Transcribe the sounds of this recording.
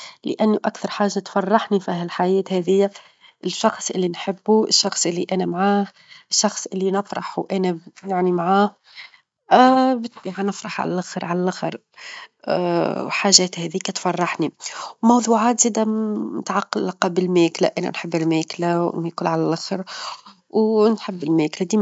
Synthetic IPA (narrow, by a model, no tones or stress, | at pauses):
lɪ̰ʔanːuʔakθɑɾˤħaːʒːat̪fɑrˤːɑħnifiɦælħajɛːt̪hɛːðɪjːa | ʔɪʃːɑxsˤʔɪlːinħɪbːuɪʃːɑxsˤʔɪlːiʔænæmʕaːh | ʃːɑxsˤʔɪlːinɪfɾˤɑħwʔænæjaʕnimʕaːh | bɪt̪biʕanɪfɾˤɑħʕa̰lælʔxɾʕalælʔaxɾ | wħaːʒæːt̪hɛðiːkæt̪fɑrˤːɑħniwmɑwðˤuːʕaːt̪z̥iːd̪æmɪ̰t̪ʕɑqːɑlːɑqɑbɪlmæːklæ̰ʔænæ̰nħɪbːɪlmæːklawnæːkʊlʕalælʔaxɾ | wnħɪbːɪlmæːklæd̪iː